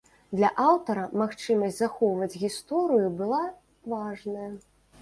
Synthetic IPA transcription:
d̪lʲɐʔawt̪ɐɾɐmaxt͡ʂɨmɐsʲd͡zʲzaxɔvɐd͡zʲɣʲist̪ɔɾɨjubɨlˠa | vaʐnɐjɐ

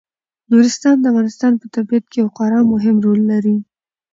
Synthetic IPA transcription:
nuɾɪst̪ɑnd̪əavɣɑnɪst̪ɑnpət̪aɾbijat̪̚kejawqɑɾɑmʊɦɪmɾolːaɾi

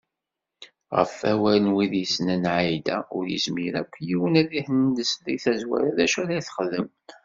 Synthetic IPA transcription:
ʁə̰fæwælənwiðjəsnænʕajd̪æ̰ʊɾjə̰zmiɾækʷːjiwənæðihənd̪əsɾiθæzwæ̰ɾaðæʃæɾajθχəlːəm

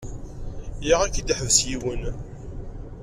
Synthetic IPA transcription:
jiʁækːid̪ħəvsjiwən

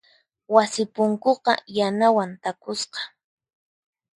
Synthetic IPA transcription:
wasɪpʊŋkoqɑ̰janawant̪akʊsqɑ̥

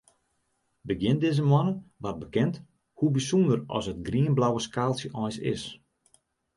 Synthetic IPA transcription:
bəɡjɪndɪzəmwɔnəʋat̚bəkɪnt | hubisundərɔ̰sət̚ɡriənblawəskaːlˠsjəʔɔjsɪ̰s

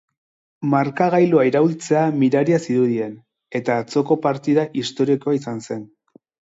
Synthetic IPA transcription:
maɾkaɣajloaiɾault͡se̞amiɾaɾiasiðuðie̞n | e̞t̪aːt͡so̞ko̞paɾt̪iðaʔist̪o̞ɾikoaisanse̞n

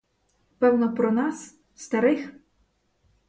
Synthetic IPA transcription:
pɛwnɔpɾɔnɑs | st̪ɐɾɪx

